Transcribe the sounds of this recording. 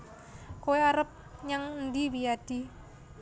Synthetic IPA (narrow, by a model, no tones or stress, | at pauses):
koweaɾəp̚ɲaŋəndiwijad̥i